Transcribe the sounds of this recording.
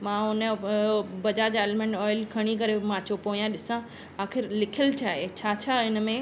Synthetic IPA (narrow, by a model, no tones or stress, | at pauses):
mãːʊnə | bɐd͡ʑaːd͡ʑaeːlmẽɳʈɔːɪlkʰɐɽ̃ik̬ɐɾemãːt͡ɕopoːijãɗɪsã | aːxɪɾlɪkʰəlt͡ɕʰaːɦet͡ɕʰaːt͡ɕʰaɪnə̆mẽ